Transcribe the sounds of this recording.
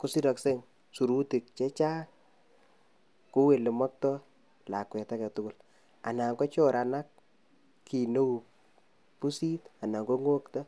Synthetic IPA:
ku˨˦si˦ɾɔ˨kse˦ŋ | su˨ɾu˦ti˨k̚t͡ʃe˦t͡ʃaː˦ | ku˦we˨le˨mɔ˦k̚tɔ˦ | la˨kwɛ˨ta˦ka˨tʊ˦kʊ˦˨l | a̰˨na˨ŋɡɔ˦t͡ʃɔ˦ɾa˨na˦k | kːi˨no˦w | pu˦si˦ta˨na˨ŋɡo˦ŋo˦kta˦

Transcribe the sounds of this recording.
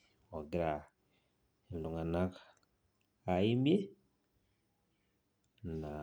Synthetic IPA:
o˨ɡi˦ɾa˨ | e˨n˨du˨ŋa˨na˦kaː˨ | ji˦mbje˦ | na˨

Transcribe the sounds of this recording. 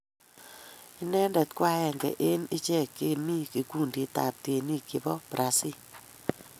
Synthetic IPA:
i˦nɛ˦ndɛ˨tkwa˦ɛ˨ŋɡɛ̰˨ʔe˦ni˦t͡ʃɛ˦˨kːe˦mi˦ki˨ku˦˨ndi˨ta̰˨p̚te˨ni˦ki˨bɔ˦pɾʔa˨si˦

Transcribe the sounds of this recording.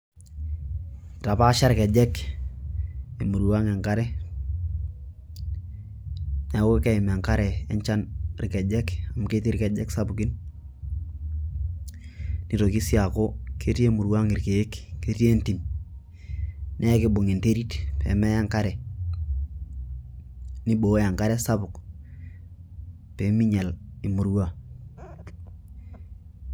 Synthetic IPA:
ta˨pa˦ʃa˦ɾɪ˨kɛ˨d͡ʒɛ˦k | e˨mu˨ɾwa˦ŋe˨ŋka˦ɾɛ˦ | ne˨we˦ke˦ɪ˨me˨ŋka˦ɾɛ˨ḛ˦ɲt͡ʃa˦nɾɪ˨kɛ˨d͡ʒɛ˦ka˨mke˦ti˦ɾke˨d͡ʒɛ˦ksa˦bu˨kɪ˦n | ni˨ɾo˨ki˦si˦a˨ko˦kʰe˦ti˦e˦mu˨ɾwa˦ŋɪ˨ɾke˨e˦kːe˦ti˦e˦nti˨m | nʔɛ˦kɪ˦bʊ˨ŋi˨nte˦ɾi˦tpḛ˨mɛ˦ja˦ŋka˦ɾɛ˨ | ni˦bo˨˦ja˨ŋka˦ɾɛ˦sa˦bʊ˨k | pe˨˦mi˦ɲɛ˨lɪ˨mu˨ɾwa˦

